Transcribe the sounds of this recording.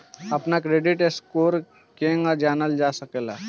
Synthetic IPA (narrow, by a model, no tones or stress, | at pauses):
ɐpnakɾeːɖɪʈeskoːɾ | kẽŋɡad͡ʒaːnəld͡ʒaːsəkeːlaː